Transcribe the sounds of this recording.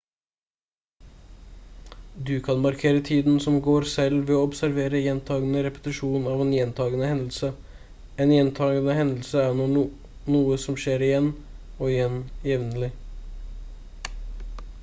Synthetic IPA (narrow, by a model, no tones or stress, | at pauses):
d̪ʉkʰɑnmɑɾkʰeːɾət̪ʰiːd̪nsɔmɡoːɾsɛlʋɛːɔːɔbsæɾʋeːɾəjɛnt̪ʰɑːɡənəɾɛpə̥t̪ɪʂuːnɑːʋɛnjɛnt̪ʰɑːɡənəhɛnl̩sə | ɛnjɛnt̪ʰɑːɡənəɦɛnəl̩səæːɳɔ | nuːəsɔmʂeːɾɪjɛnɔːɪjɛnjɛʋnəlɪ